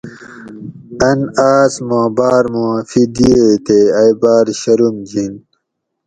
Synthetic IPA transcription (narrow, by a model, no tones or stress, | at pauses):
ɐnaːsmõːbaːɾmõːfid̪iet̪eɐjbaːɾɕɐɾumd͡ʑin